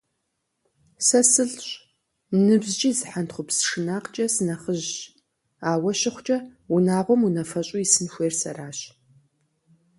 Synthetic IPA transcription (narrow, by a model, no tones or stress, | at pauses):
sɐsɨɮɕʼ | nɨbzt͡ʃʼiːzħantχʷʊpsʂɨnaːqt͡ʃʼɐsɨnɐχəʑ | aːwɐɕɪχʷt͡ʃʼɐunaːʁʷɔmunɐfɐɕʼʊisɨnxʷeːrsɐ̰raːɕ